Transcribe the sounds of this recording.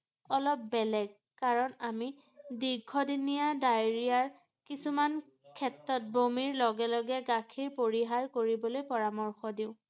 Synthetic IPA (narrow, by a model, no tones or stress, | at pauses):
ɔlɔp̚bɛlɛɡ̚ | kaɹɔnami | diɡʱɔdinijadajɹijaɹ | kisuman | kʰɛtɹɔt̚bʱomiɹlɔɡɛlɔɡɛɡakʰiɹpoɹiɦaɹkoɹibɔlojpɔɹamɔɹxɔdiʊ̃